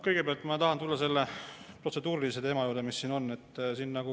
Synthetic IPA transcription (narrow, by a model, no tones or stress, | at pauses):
kɤjɡ̥e̞peɑlt̪ˑmɑt̪ɑɦɑnt̪ulːɑse̞lːe | pro̞tse̞d̪uːɾilis̬e̞t̪e̞ːmɑjuːɾd̪emisːiːno̞nːe̞t̪ːˑsiːnːɑɡ̥u